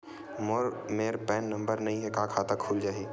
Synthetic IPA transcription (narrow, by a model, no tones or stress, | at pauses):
moɾmeːɾpɛːnːɐ̃mbəɾnɐɦĩɦɛkaːkʰaːt̪akʰuːld͡ʒaːɦiː